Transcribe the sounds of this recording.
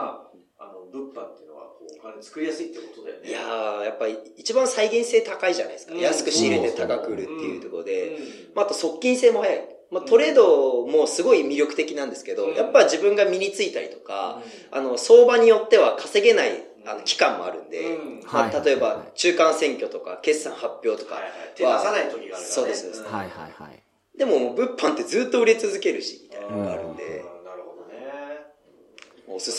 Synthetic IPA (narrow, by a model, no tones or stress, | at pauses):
a | anobɯpːat̪ːeɯno̰βa̰t͡sɨ̥kɯ̟ɾʲijasɨit̪ːekot̪od̪ajoijajapːaɾʲiːt͡ɕibãɰ̃saiɡʲẽɰ̃se̞ːt̪akaiʑa̰na̰isɨ̥kajasɨ̥kɯ̟ɕiːɾe̞t̪e̞t̪aɡakɯ̟ɾɯ̟t̪ːe̞̰jɯ̟̰t̪o̞koɾod̪e̞̰ | maat̪o̞so̞kʲːĩɰ̃se̞ːmo̞hajaḭ | mat̪o̞ɾe̞ːd̪o̞mo̞sɨɡo̞imʲiɾʲo̞kɯ̟̥t̪e̞kʲinãnd̪e̞sɨ̥ke̞d̪o̞japːaʑibɯ̟̃ŋɡamʲiɾʲit͡sɨit̪aɾʲḭt̪o̞̥ka̰ano̞so̞ːbaɲ̟ijo̞t̪ːe̞βakʰase̞ɡe̞naḭ | ano̞kʲi̥kãmːo̞̰a̰ɾɯ̟̰̃nd̪e̞mat̪at̪o̞e̞bat͡ɕɨːkãɰ̃sẽ̞ŋkʲo̞t̪o̞ka̰ke̞sːãɰ̃hapʲːjo̞ːt̪o̞̥ka̰βait̪oso̞ːd̪e̞sod̪esɨneha | d̪e̞mo̞mbɯ̟pʰːãnt̪ːe̞zɨːt̪ːo̞ɯ̟ɾʲit͡sɨzɨke̞ɾɯ̟ɕi̥mʲit̪ainanoɡa̰ɾɯ̟̰̃nd̪e̞̰ | sɨ